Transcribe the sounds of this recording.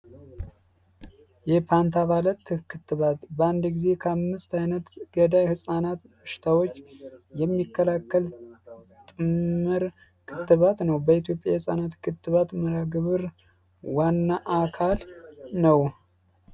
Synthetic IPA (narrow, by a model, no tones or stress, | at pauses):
jɛpʰant̪ʰaβalət̪ːkʰɨt̪ːɨβat̪bəand̪ɡize̞kʰəamːɨst̪ajnət̪ɡ̥əd̪ajhɨsʼanat̪bəʃɪ̥t̪ʰawo̞t͡ʃːjɛmːikːəlakːəlt̪ʼɨmːɨɾ | kʰɨt̪ːɨβat̪nəwbəit̪jo̞pʼjahɨsʼa̰nat̪kʰɨt̪ʼːɨβat̪məɾaɡɨβɨɾ | wanːaʔakʰalnəw